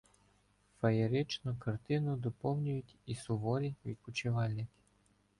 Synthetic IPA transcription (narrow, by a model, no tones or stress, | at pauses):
fɐjeɾɪt͡ʃnʊkɐrt̪ɪnʊd̪ɔpɔwnʲʊjʊtʲisʊʋɔɾʲiʋʲḭkʊt͡ʃɪʋɑlʲnɪkʲ